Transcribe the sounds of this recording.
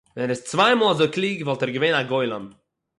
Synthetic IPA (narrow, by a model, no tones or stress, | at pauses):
vɛnɛɾɛst͡svaɪmɔːlˠazoɪklˠiːɡvɔlˠtɛɾɡəveɪnaɡɔɪlˠəm